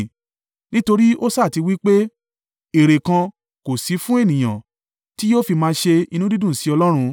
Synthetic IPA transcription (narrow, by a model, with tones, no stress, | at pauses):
nĩ˦to˧ɾi˦o˦saː˦˨ti˨˧wi˦k͡pe˦ | e˨ɾe˨kã˧ | ko˨si˨˦fũ˦e˦˨nĩ˨j̃ã̰˨ | ti˦jo˦fi˧mãː˧ʃe˧i˧nũ˦di˦dũ˦˨si˨˦ɔ˧lɔ˦ɾ̃ũ˧